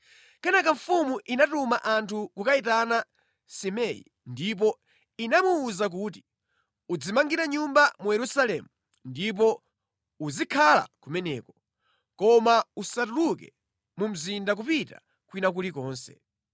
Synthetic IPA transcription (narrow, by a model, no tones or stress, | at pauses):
kanakaɱfumuʔinatumaʔantʰukukaitana | simɛjḭ | ndip̬ɔ | inamuːzak̬uːti̥ | ud͡zimaŋɡiɾaɲumbamujɛɾusalɛ̰mu | ndip̬ɔ | uzikʰala̰kumɛnɛːkɔ | kɔmausat̬ulukɛ | mum̩zindak̬upita̰ | kwinak̬ulikɔːnsɛ̥̰